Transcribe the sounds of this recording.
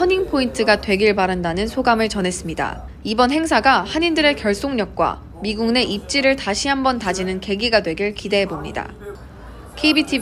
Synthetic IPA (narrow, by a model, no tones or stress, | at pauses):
ʌɲiŋpʰointʰɯɡatwe̞ɡiɭpaɾandanɯnsʰoɡamɯɭt͡ɕʌne̞s͈ɯmɲida̰ | ibʌnɦe̞ŋsʰaɡahaɲindɯɾe̞kjʌɭs͈oŋɲʌk̚k͈wa̰ | miɡuŋne̞ʔip̚t͡ɕ͈iɾɯɭtaɕʰiɦambʌntad͡ʑinɯnke̞ɡiɡadwe̞ɡiɭkide̞ɦe̞bomɲḭda̰ | kʰeibitʰi